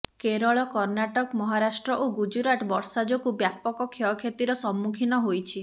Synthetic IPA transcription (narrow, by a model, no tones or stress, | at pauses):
keɾɔɭɔkɔɾnaʈɔkmɔɦaɾasʈɾɔʔoɡud͡ʒuɾaʈbɔɾsad͡ʒɔkubjapɔkɔkʰjɔkʰet̪iɾɔsɔmːukʰinɔɦojt͡ʃʰi